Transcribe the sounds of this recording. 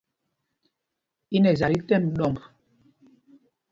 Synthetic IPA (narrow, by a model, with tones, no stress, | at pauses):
i˦nɛ˨za˨ɾi˦tɛ˦˨mɗɔ˦˨mb